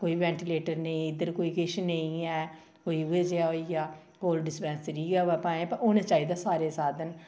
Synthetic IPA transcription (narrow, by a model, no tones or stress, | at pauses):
koːiːʋɛ̃ːɳʈɪleːʈəɾnəĩːɪd̪əɾkoːiːkɪʃnəĩːɛː | koːiːʊeːd͡ʒeaːɦoːijaː | koːlɖɪspɛ̃ːnsɾiːɡaːɛːpãːẽːpəɾonẽːt͡ʃaːiːd̪aːsaːɾeːsaːd̪ən